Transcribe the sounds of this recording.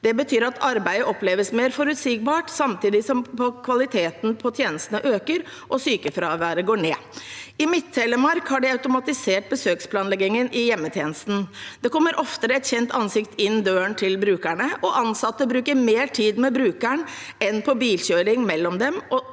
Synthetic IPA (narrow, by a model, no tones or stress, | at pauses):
d̪̥ɛbət̪ʰyːɾɑt̪ʰɑɾbæɪəʔɔpleːʋəsmeːɾfɔɾʉt̪siːɡ̚bɑːʈsɑmt̪ʰiːd̪ɪsɔmpʰɔkʰʋɑlɪt̪ʰeːt̪n̩pʰɔt̪ʰjeːnəst̪ənəʔøːkəɾ | ʔɔsyːkəfɾɑːʋæːɾəɡoːɳeː | ɪmɪt̪ʰːɛləmɑɾkhɑɖɛɑʉt̪ʊmɑt̪ɪseːʈ̚bəsøːkspʰlɑːnlɛɡɪŋənʔɪjɛmːət̪ʰjeːnəst̪n̩d̪̥ɛkɔmːəɾʔɔft̪əɾɛt̪çɛnt̪ʰɑnsɪkt̪ɪnːd̪øːəɳt̪ʰɪlbɾʉːkæɳəʔɔʔɑnsɑt̪ːəbɾʉːkəɾmeːʈʰiːd̪mɛbɾʉːkæɳ | ɛnpʰɔbiːlɕøːɾɪŋmɛlːɔmd̪ɛmɔ